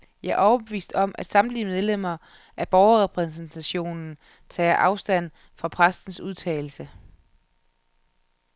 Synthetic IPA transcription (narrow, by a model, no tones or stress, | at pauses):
jɑ̈æɐʔɒʊɐb̥e̝ʋḭːsd̥ɒ̽mʔæd̥sɑ̈md̥limeð̞ˠlem̰ɐ | ʔæb̥ɒʊɐʁɛpʰʁɛsn̩t͡sʰæɕo̝̰ːnn̩ | t͡sʰɛ̰ːʔɑ̈ʊsd̥æn̰ | fɑ̈pʰʁasd̥n̩suðˠt͡sʰɛ̰ːl̩sə